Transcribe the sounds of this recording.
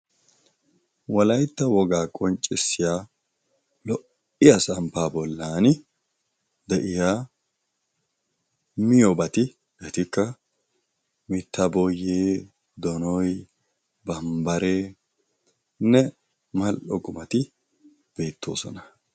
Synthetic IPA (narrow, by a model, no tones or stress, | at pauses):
wɐlɐjt̪ːɐwɔɡaːkʼɔnt͡ʃʼːɪsːɪjaː | lɔ | ɪjɐsɐmpaːbɔlːaːnɪ | d̪ɛʔɪjaː | mɪjɔbɐt̪ɪ | ʔɛt̪ɪkːɐ | mɪt̪ːɐbɔjːeː | d̪ɔnɔj | bɐmbɐɾeː | nːɛ | mɐlʔɔɡʊmɐt̪ɪ | b̥e̞ːt̪ːo̞̰ːsɔnɐ